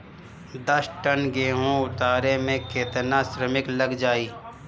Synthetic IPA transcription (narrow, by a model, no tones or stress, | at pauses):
d̪ɐsʈənɡeːɦõʊt̪aːɾemẽkʰeːt̪nasɾəmɪkləɡd͡ʒaːiː